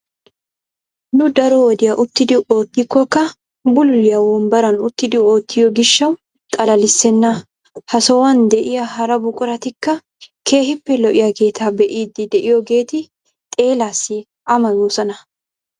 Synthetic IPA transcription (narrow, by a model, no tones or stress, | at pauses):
nʊd̪ɐɾɔwɔd̪ɪjɐʔʊt̪ːɪd̪ɪoːt̪ːɪkːɔkːɐ | bʊlːɪjɐwɔnbɐɾɐnʊt̪ːɪd̪ɪo̞ːt̪ːɪjɔɡɪʃːɐw̪ | t̪ʼɐlɐlɪsːɛnːɐ | hɐsɔwɐnd̪ɛʔɪjɐɦɐɾɐbʊkʼʊɾɐt̪ɪkːɐ | kʰe̞ːhɪpːɛlɔʔɪjaɡe̞ːt̪ʰaːbɛʔiːd̪ːɪd̪ɛʔɪjɔɡe̞ːt̪ɪ | t̪ʼe̞ːlaːsːɪ | ʔɐmɐjuːsɐnɐ